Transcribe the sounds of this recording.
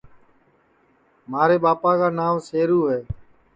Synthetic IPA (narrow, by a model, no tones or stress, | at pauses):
maːɾeːɓaːpaːkaːnaːʋseːɾuːɦeː